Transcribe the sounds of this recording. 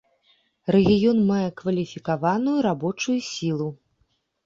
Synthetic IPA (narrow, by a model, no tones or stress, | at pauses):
rɛɣʲijɔnmajɛkvɐlʲifʲikavanujuɾabɔt͡ʂujusʲilˠu